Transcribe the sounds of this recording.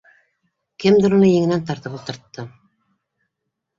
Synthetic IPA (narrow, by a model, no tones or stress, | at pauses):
kɘmd̪ŏɾŭnɤjɘ̆ŋɘ̆nænt̪̬ɑɾt̪ɤpulˠt̪ɤ̆ɾt̪ːɤ